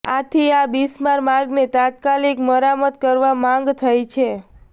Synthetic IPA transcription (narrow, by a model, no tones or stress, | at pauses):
at̪ʰiabismaɾmaɾɡnet̪at̪̚kalikməɾamət̪̚kəɾʋamãŋɡt̪ʰəjt͡ʃʰe